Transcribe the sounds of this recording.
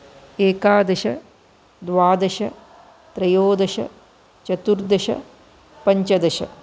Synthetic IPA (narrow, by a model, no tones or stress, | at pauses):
eːkaːd̪ɐʃɐ | d̪ʋaːd̪ɐʃɐ | t̪ɾɐjoːd̪ɐʃɐ̰ | t͡ʃɐt̪uɾd̪ɐʃɐ̰ | pɐɲt͡ʃɐd̪ɐʃɐ̰